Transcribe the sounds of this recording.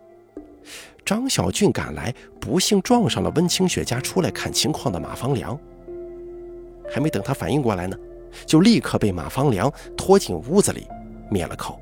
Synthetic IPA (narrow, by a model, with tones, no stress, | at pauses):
ʈ͡ʂɑ˥ŋɕjɑ˨˩ʊt͡ɕy˥˩nka̰˨˩nla˧˥ɪpu˧˥ɕi˥˧ŋʈ͡ʂwɑ˥˧ŋʂɑ˥˩ŋlə̰˩wə˥nt͡ɕʰi˥ŋɕɥɛ̰˧˥t͡ɕja˥ʈ͡ʂʰu˥la˧˥ɪkʰa˥˩nt͡ɕʰi˧˥ŋkʰwɑ˥˩ŋd̪ə˩mʔa̰˨˩fɑ˥ŋljɑ̰˧˥ŋ | xa˧˥ɪme˧˥ɪt̪ɤ˨ŋt̪ʰa˥fa˨˩ni˥˧ŋkwɔ˥˩la˧˥ɪnə˧ | t͡ɕjo˥˧ʊli˥˩kʰɤ˥˧˩pe˥˩ɪma̰˨˩fɑ˥ŋljɑ˧˥ŋ | t̪ʰwɔ˥t͡ɕi˨˩nu˥d͡zɹ̩˨lḭ˨˩˦ | mjɛ̰˥˩lʔə̰˧kʰo˨˩˦ʊ